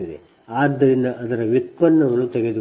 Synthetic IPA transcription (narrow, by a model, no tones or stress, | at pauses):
id̪ḛ | aːd̪ːɐɾinɐʔɐd̪ɐɾɐʋit̪̚pɐnːɐʋɐɭut̪ɐɡed̪u